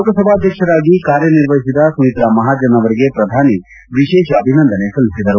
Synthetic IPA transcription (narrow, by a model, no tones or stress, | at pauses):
okəsɐbʱaɐd̪ʱjəkʃɐɾaːɡikaːɾjəniɾʋɐsit̪asuit̪ɾamɐɦaːd͡ʒɐnɐʋɐɾiɡepɾɐd̪ʱaːni | ʋiʃeːʃɐbʱinɐ̃nd̪ʱənesulsid̪ʱɐɾu